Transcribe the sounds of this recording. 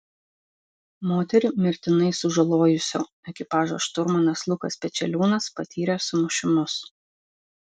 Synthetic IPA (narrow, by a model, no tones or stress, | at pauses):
moːt̪ʲɛɾʲɪmʲɪɾʲt̪ʲɪnɐɪsʊʒɐlˠoːjʊsʲo̰ː | ɛkʲɪpɑːʒo̰ːʃt̪ʊɾmɐnɐslˠʊkɐsʲpʲɛsʲɛlʲuːnɐspɐt̪ʲʰiːɾʲɛsʊmʊʃʲɪmʊs